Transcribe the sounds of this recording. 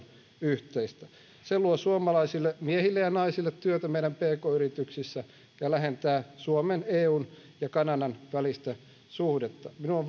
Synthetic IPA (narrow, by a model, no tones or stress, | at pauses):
yht̪eist̪æ | seluosuomɑlɑisilːemiehilːejɑnɑisilːet̪tyøt̪æmeiɾæmpeːkoːyɾit̪yksisːæ | jɑlæɦent̪æːsuomeneːuːn | jɑkɑnɑdɑnʋælist̪æ | suhdet̪ːɑminuoʋ